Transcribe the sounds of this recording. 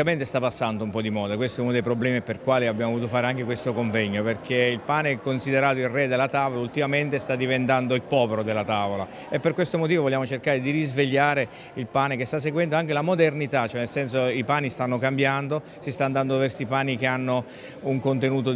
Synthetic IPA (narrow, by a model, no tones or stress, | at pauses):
ament̪est̪apːasːand̪oumpɔd̪imɔːd̪akwest̪oɛunod̪ejpɾoblɛːmiperkwaːliabjamovovuːt̪ofaːɾeaŋk̟ekwest̪okoɱvɛɲːoperkʰeilpaːneɛkonsid̪eɾaːt̪oilrɛd̪elːat̪aːvolault̪imament̪est̪ad̪ːivent̪and̪oilpɔːveɾod̪elːat̪aːvola̰ | epːerkwest̪omot̪̬iːvovolːjaːmot͡ʃerkaːɾed̪irizveʎːaːɾe | ilpaːnekest̪as̬ːeɡwɛnd̪oaŋk̟elamod̪ernit̪at͡ʃːoɛnelsɛns̬oipaːnist̪anːokambjand̪o | sist̪aːnd̪and̪ovɛrsipaːnik̟eanːo | uŋkont̪enuːt̪o